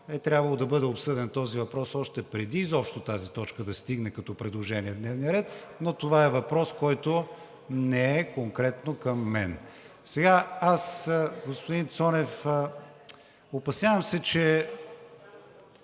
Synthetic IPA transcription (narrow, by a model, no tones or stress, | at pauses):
ɛt̪ɾʲabvɐlˠod̪ɐbɤd̪ɛopsɤd̪ɛnt̪ɔzivɐpɾɔsɔʃt̪ɛpɾɛd̪iːzɔpʃt̪ot̪azit̪ɔt͡ʃkəd̪ɐst̪iɡnɛkɐt̪ɔpɾɛd̪lˠoʒɛniɛvd̪nɛvnijəɾɛt̪not̪ovaɛvɐpɾɔskɔjt̪o | nɛɛkoŋkɾɛt̪nokɐmːɛn | sɛɡaasɡospʊd̪int̪sɔnɛf | opɐsnʲavɐmsɛt͡ʃɛ